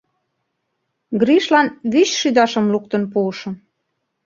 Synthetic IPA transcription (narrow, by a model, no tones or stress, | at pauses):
ɡɾiʃlɑnβyɕʃyd̪ɑʃə̆mluk̚t̪ə̆npuːʃɤ̆